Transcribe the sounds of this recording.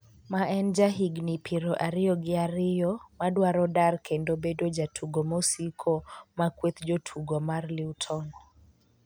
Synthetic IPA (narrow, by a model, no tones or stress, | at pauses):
maʔɛnd͡ʒaɦiɡnipʰiɾɔʔaɾiɔɡiaɾijɔmadwaɾɔdaɾkʰɛndɔbɛdɔd͡ʒatʰuɡɔmɔsikʰɔmakwɛt̪d͡ʒɔtʰuɡɔmaɾliutʰɔŋɡɔ